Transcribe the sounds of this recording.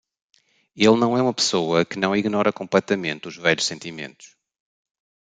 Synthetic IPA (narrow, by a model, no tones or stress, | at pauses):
elˠnɐ̃w̃ɛumɐpɨ̥soɐkɨnɐ̃w̃iɣnɔɾɐkõmplˠɛt̪ɐmẽnt̪uʒvɛʎuʃsẽnt̪imḛ̃nt̪u̥ʃ